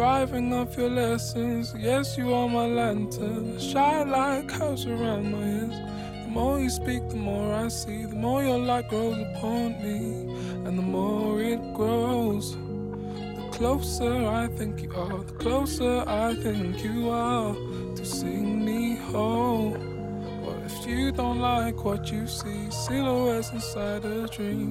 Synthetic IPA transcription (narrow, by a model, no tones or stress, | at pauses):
dɹaɪvɪ̃ŋʌpjə˞lɛsɨ̃nzjɛsjɨəmaɪlæ̃ntʰənʃaɪlaɪkhaʊzə˞ãʊ̃ndmaɪɪz̥ | ðəmɔɹjɨspik̚ðəmɔɹaɪsiðəmɔɹjə˞laɪf̚ɡ̥ɹoʊzəpʰɑ̃nmi | ə̃nðəmɔɹɪt̚ɡ̥ɹoʊz̥ | ðəkʰl̥oʊsə˞aɪθɪ̃ŋkʔʌðəkʰl̥oʊsə˞aɪθɪ̃ŋkʰjɨə | tʰɨsĩŋmihõʊ̃m | wʌ̰ɨfjɨdõʊ̃ntˡlaɪkʰwʌt͡ʃɨsi | sɪɾəwɛzɨ̃nsaɪɾɨdɹĩm